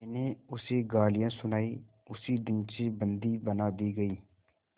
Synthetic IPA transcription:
ɛneʊseɡaːlɪjãːsʊnaːi | ʊsid̪ɪnsebə̃nd̪ibənaːd̪iɡɐiː

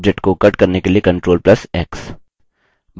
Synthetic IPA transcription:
d͡ʒeʈkokɐʈkɐɾnekeliekɐ̃ɳʈɾoːlplɐsɛːks | b

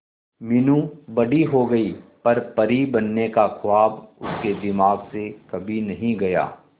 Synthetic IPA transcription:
mɪnũbɐɽiɦoɡɐiːpɐɾpɐɾibɐnːekakʰʊwaːbʊ̰sked̪ɪmaːɡsekɐbʱinɐɦĩɡɐja̰ː

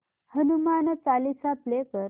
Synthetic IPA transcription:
hənumant͡salisaplekəɾ

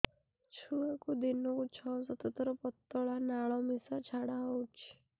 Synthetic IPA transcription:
t͡ʃʰuakud̪inut͡ʃʰɔsɔt̪ɔt̪ɾɔpɔt̪ːɔɭanaɭɔmisat͡ʃʰaɽaɔwt͡ʃʰi̥

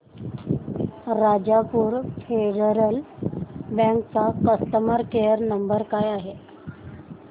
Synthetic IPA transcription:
ɾad͡ʑapuːɾfeɖəɾəl | bɛ̃ŋkt͡sakəst̪əməɾkejəɾnəmbəɾkajaɦe

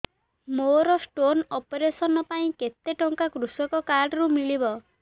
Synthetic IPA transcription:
moɾɔsʈonɔpeɾesɔnɔpaĩket̪eʈɔŋkakɾusɔkɔkaɾɖɔɾumiɭibɔ

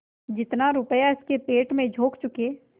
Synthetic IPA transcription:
d͡ʒɪt̪naɾʊpəjaɪskepeːʈmẽd͡ʒʱoːkt͡ʃʊke

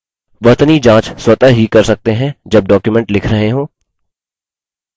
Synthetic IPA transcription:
ʋɐt̪nid͡ʒãːt͡ʃswɐt̪əɦikɐɾsɐk̚t̪eɦɛ̃d͡ʒɐb̚ɖɔːkjumɛ̃ɳʈlɪkʰɾɐɦeɦõː

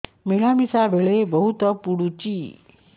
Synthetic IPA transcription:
meɭamisabʱeɭebəɦut̪əpuɽut͡ʃi

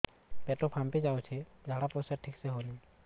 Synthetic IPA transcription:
peʈopʰamped͡ʒaːõt͡ʃʰɛd͡ʒʱaɽapɔseʈʰikseɦolĩ

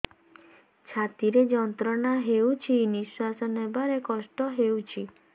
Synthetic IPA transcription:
t͡ʃʰat̪iɾed͡ʒɔnt̪ɾɔɳaɦeut͡ʃʰiniswasɔnebaɾekɔsʈɔɦewt͡ʃʰi

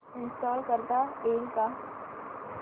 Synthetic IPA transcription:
ɪ̃nsʈɔːlkəɾd̪aeːŋka

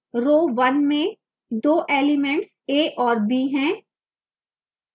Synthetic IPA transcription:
ɾoːʋɐnmẽ | d̪oːʔeːlɪmɛ̃ɳʈs | eːʔɔːɾbiːɦɛ̃ː

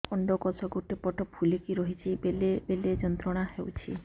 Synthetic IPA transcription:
ɔɳɖɔkɔsɔɡuʈepɔʈʰɔpʰulekiɾɔɦit͡ʃʰibelebeled͡ʒɔnt̪ɾɔɽ̃ahewt͡ʃʰḭ

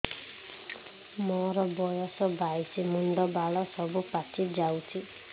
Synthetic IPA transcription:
mɔɾɔbɔjɔsɔbʱajsʰimuɳɖɔbaɭɔsɔbupat͡ʃʰid͡ʒawt͡ʃʰi

